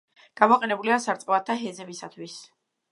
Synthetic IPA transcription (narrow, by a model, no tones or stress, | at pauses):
ɡ̥amɔqʼɛnɛbuliasaɾt̪sʼqʼɛvat̪ʰːaɦɛzɛmisat̪ʰwis